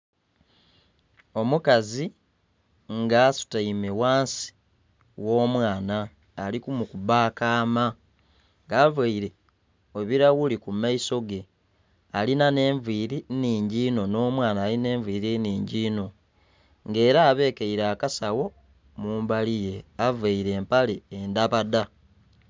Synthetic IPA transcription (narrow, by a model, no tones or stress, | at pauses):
o̞mukazi | ŋɡaːsu̥taime̞waːnsi̥ | wo̞ːmwaːnaː | likumukubaːkaːma | ŋɡaːvaiɾe̞ | oβiɾaɣulikumaiso̞ɡe̞ | alinane̞ːɱviːɾiniːɲɟiːno̞no̞ːmwaːnaːline̞ːɱviːɾiniːɲɟiːno̞ | ŋɡe̞ːɾaːβe̞ːkeiɾaːkasawo̞ | muːmbalije̞avaiɾe̞ːmpaleːndaβada